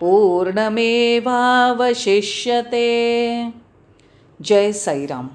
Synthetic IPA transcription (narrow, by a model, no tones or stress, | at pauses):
puːɾɳɐmeːbʱaːʋɐʃiʃjɐt̪eː | d͡ʒɐjsɐjɾa̰ːm